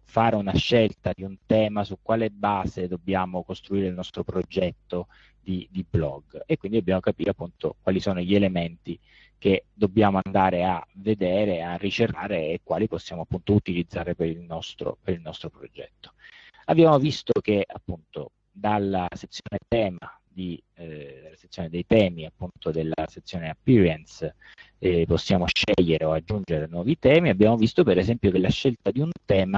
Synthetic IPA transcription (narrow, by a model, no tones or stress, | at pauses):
faːɾeunaʃːelt̪ad̪iunt̪ɛːmasukːwaːlebaːzed̪obːjaːmokost̪ɾuiːɾeilnɔst̪ɾopɾod͡ʒɛt̪ːo | d̪id̪iblɔ̰ɡekwind̪id̪objaːmokapiːɾeapːunt̪o̰kwaːlisoːnoʎelement̪i | ked̪obːjaːmoand̪aːɾeaved̪eːɾearːit͡ʃeraːɾeːkːwa̰ːliposːjaːmoapːunt̪out̪ilid̪zːaːɾepeɾilnɔst̪ɾo̰peɾilnɔst̪ɾopɾod͡ʒɛ̰t̪ːo̥abjaːmovist̪ok̟ea̰pːunt̪o̰ | d̪alːaset̪sːjoːnet̪ɛːma | d̪i | d̪elːase̥t̪sːjoːned̪ejt̪ɛːmiapːunt̪od̪elːa̰set̪sːjoːneapːiɾiɛns | posːjaːmoʃɛʎːeɾeoad͡ʒːund͡ʒeɾenwɔːvit̪ɛːmiabːjaːmovist̪opeɾezɛmpjokelːaʃːelt̪ad̪iunt̪ɛːma